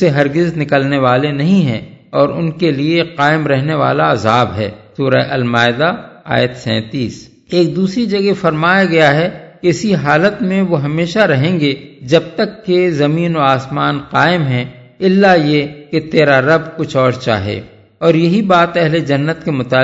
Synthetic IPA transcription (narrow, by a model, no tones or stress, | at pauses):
eɦɐɾɡɪznɪkəlneʋaːlenɐɦĩɦɛ̰̃ | ɔːɾʊnkelieqaːɪmɾɛɦneʋa̰ːlaɐzaːbɦɛ̰ːsuːɾaʔɐlmaːɪd̪aa̰ːjət̪sɛ̰̃ːt̪iːs | eːk̚d̪uːsɾid͡ʒɐɡefɐɾmaːjaɡɐjaɦɛkeɪsiɦaːlət̪mẽʋoɦɐmeːʃaɾɐɦẽːŋɡed͡ʒɐb̚t̪əkːezɐmiːnoaːsmaːnqaːɪmɦɛ̃ | ɪlːajeket̪eːɾaɾɐb̚kʊt͡ʃʰɔːɾt͡ʃa̰ːɦḛː | ɔːɾjɐɦibaːt̪ɛɦled͡ʒɐnːət̪kemʊt̪aː